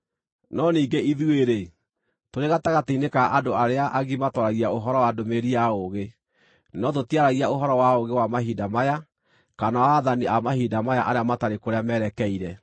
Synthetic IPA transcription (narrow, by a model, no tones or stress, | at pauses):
nɔniːɡeiðueɾe | toɾeɣataɣateinekaʔadoaɾeaʔaɣimatɔɾaɣiaoɦɔɾɔwadomeɾiaoɣe | nɔtotiaɾaɣiaoɦɔɾɔwaoɣewamaɦidamaja | kanawaːðaniamahiːdamajaʔaɾeamataɾekoɾeamɛɾɛkɛiɾɛ